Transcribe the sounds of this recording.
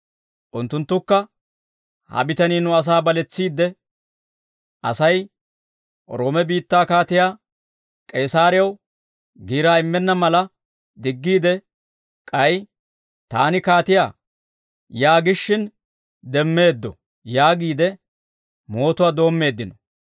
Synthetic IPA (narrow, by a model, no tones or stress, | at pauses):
ʔʊnt̪ːʊnt̪ːʊkːɐ | hɐ̰bɪt̪ɐniːnʊɐs̬aːbɐlɛt͡sːiːd̪ːɛ | ʔɐ̰sɐj | ɾo̞ːmɛbiːt̪ːaːkaːt̪ɪjaː | kʼɛːsaːɾɪjɐw | ɡiːɾaːɪmːɛnːɐmɐlɐ | d̪ɪɡːiːd̪ɛ | kʼɐj | t̪aːnɪkaːt̪ɪjaː | jaːɡɪʃːɪn | d̪ɛmːe̞ːd̪ːɔ | jaːɡiːd̪ɛ | mo̞ːt̪ʊwaːd̪o̞ːmːe̞ːd̪ːɪnɔ̥